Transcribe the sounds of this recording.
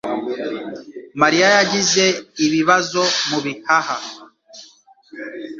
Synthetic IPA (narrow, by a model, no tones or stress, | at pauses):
maɾiajaɟize̞iβiβazo̞muβihaha